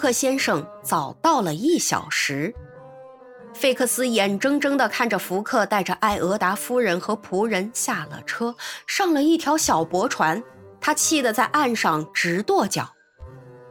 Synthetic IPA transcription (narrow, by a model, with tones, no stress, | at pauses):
kʰɤ˥˩ɕjɛ˥nʂɤ˥˩ŋ | t͡sɑ˨˩ʊt̪ɑ˥˩ʊlə˩i˥˩ɕjɑ̰˨˩ʊʂɻ̩˧˥ | fe˥˧ɪkʰɤ˥˩sɹ̩˥jɛ˨˩nʈ͡ʂɤ˥ŋʈ͡ʂɤ˥ŋd̪ə˨kʰa˥˩nʈ͡ʂə˩fu˧˥kʰɤ˥˧t̪a˥˩ɪʈ͡ʂə˩ʔa˥˩ɪʔɤ˧˥t̪a˧˥fu˥ɻə˧˥nxɤ˧˥pʰu˧˥ɻə˧˥nɕja˥˩lə̰˨˩ʈ͡ʂʰɤ˥ʂɑ˥˩ŋlə˨i˥˩t̪ʰjɑ˧˥ʊɕjɑ˨˩ʊpwɔ˧˥ʈ͡ʂʰwa˧˥n | t̪ʰa˥t͡ɕʰi˥˩d̪ə˩t͡sa˥˧ɪʔa˥˧nʂɑ˥˩ŋʈ͡ʂɻ̩˧˥t̪wɔ˥˩t͡ɕjɑ̰˨˩˦ʊ